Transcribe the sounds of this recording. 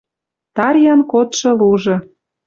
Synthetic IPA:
t̪ɑɾʲjɑnkot̪ʃɤ̆luʒɤ̆

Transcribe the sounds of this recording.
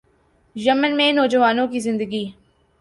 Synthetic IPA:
jəmənmẽnɔːd͡ʒəʋaːnõkizɪ̃nd̪əɡiː

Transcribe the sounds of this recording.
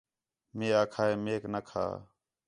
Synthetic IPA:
meːaːkʰaːeːmeːknəkʰa̰ː

